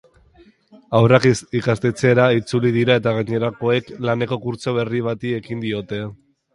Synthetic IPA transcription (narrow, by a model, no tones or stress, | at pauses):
awrakikast̪et͡se̞ɾait͡suliðiɾae̞t̪aɣ̞aɲe̞ɾako̞e̞klane̞ko̞kuɾt͡so̞β̞e̞riβ̞at̪ie̞kind̪io̞t̪e̞